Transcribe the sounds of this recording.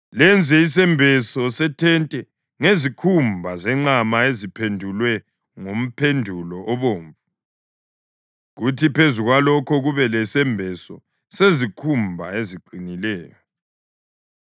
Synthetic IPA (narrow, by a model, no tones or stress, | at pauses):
lɛnd͡zʱɛisɛmbʱɛsɔsɛtʰɛntʼɛ | ŋezikʰumbʱazɛŋ͡ǃamaezipʰendʱulwɛ | ŋom̩pʰendʱulɔʔɔβoːɱvu | ɣutʰipʰezuɣwalɔkʰɔɣuβɛlɛsɛmbʱɛsɔ | sezikʰumbʱa̰eziǃinilɛːjɔ